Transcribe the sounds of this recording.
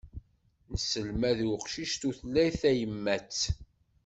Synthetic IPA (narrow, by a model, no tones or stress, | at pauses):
nəsəlmæðwqʃiʃt̪uθəlːæjθæjəmːæt͡sː